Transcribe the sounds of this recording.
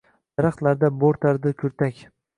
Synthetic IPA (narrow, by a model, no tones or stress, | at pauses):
d̪̥aɾaχt̪laɾd̪aboɾt̪ʰaɾd̪ɪkʲʰɵɾt̪akʲ